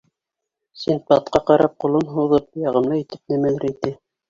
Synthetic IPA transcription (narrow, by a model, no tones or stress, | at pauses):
sint̪̚bɑt̪̚qɑqɑɾɑp̚qŏlˠonɦuðɤp̚jɑʁɤ̆mlɤit̪ɘp̚nɘ̆mælɘɾit̪ɘ